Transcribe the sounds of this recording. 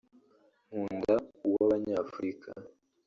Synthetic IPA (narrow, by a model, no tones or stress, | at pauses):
m̥uːndauwaβaɲafuɾikʰa̰